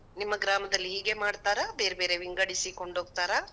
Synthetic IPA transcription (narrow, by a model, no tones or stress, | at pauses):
nimːɐɡɾaːmɐd̪ɐlːiɦiːɡe̞maːɖt̪aːɾɐbe̞ːɾebe̞ːɾe̞ʋiŋɡɐɽisikoɳɖoːɡ̚t̪aːɾɐ